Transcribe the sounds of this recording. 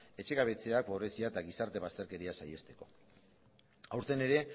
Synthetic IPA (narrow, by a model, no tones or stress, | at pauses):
e̞t͡ʃe̞ɣaβ̞e̞t͡se̞ak̚boβɾesiaet̪aɣisaɾt̪e̞βast̪e̞ɾke̞ɾiasaje̞st̪e̞̥ko̞̰ | awɾt̪e̞ne̞ɾe̞